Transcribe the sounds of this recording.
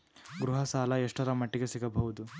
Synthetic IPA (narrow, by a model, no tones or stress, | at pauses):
ɡɾuɦɐsaːlɐeʂʈɐɾɐmɐʈːiɡesiɡɐbɐʋud̪u